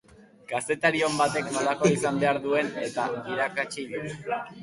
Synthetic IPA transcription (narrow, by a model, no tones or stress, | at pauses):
kase̞t̪aɾio̞mbat̪e̞knolakoisambe̞aɾðue̞ne̞t̪aiɾakat͡ʃiðit̪